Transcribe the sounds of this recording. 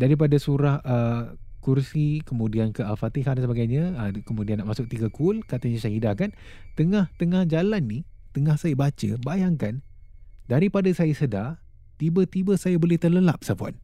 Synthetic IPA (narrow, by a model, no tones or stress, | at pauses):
daɾip̬adasuɾahʔəkursikəmũdiankəalfat̪iɦadansəbaɡajɲəəkəmudianːaʔmasʊk̚t̪iɡəkulkat̪əɲəsaɦidakan | t̪əŋaht̪əŋahd͡ʒalanːi | t̪əŋahsajəbat͡ʃə̰bajaŋkan | daɾipadasajəsəda | t̪ibət̪ibəsajabolɛht̪ərləlap̚sapua̰n